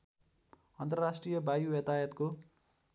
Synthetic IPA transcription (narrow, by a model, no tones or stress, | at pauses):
ʌnt̪ʌrrasʈrijʌbajuʌt̪ajʌt̪ko